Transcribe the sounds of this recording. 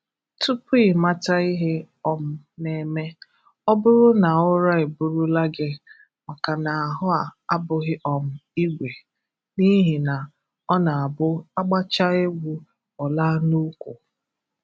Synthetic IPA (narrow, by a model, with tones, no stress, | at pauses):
tʰu˦pi˦˨ma˦ta˦i˦ɦɪ˦ | ɔ˨m̩˦ | ne˨me˦ | ɔ˦bʊ˦ɾʊ˦na˨ʊ˦ɾa˦e˨bʊ˨ɾʊ˦la˦ɡe˨ | ma˨ka˨na˨a˨ɦʊ˦a˨a˦bʊ˨ɣɪ˦ʔɔ˨m̩˨i˦ɡʷe˨ | ni˦ɦi˨na˨ | ɔ˦na˨a˨bʊ˦a˦ɡ͡ba˦t͡ʃa˦e˦ɡʷu˦ | ɔ˨laː˦nu˦kʷu˨